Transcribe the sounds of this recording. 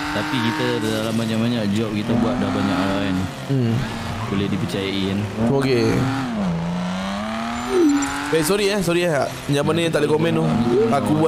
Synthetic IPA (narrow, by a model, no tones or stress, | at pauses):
t̪apikit̪adalambaɲaŋbaɲak̚d͡ʒɔp̚kit̪abuat̪̚dabaɲaʔaɾan̩ | bolɛhdipət͡ʃajainoke | bajsɔɾiahsɔɾiahaʔ | ɲãʔmanəjaŋt̪aʔlekomɛ̃nuakubua